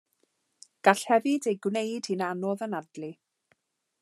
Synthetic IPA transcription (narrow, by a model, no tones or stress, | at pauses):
ɡ̥aɬhɛvɪdejɡwnejd̥hinanɔðənadli